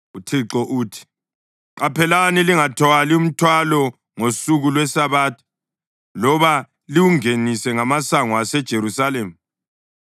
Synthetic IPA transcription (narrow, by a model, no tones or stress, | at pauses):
utʰiǁɔʔuːtʰi̥ | ǀapʰɛlaniliŋatʰɔalium̩tʰwalɔ | ŋosuɣulwɛsaβaːtʰɔ̥ | lɔβa | liwuŋenisɛŋamasaŋwasɛd̥ʒ̥ʱeɾusaleːmu